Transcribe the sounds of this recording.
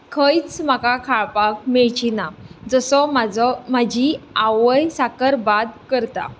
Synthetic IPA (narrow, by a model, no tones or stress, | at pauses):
kʰəjt͡smakakʰaɭpak̚meɭt͡ɕinad͡zəsɔmad͡zɔmad͡ʑiaʋəjsakəɾbad̪kəɾt̪a̰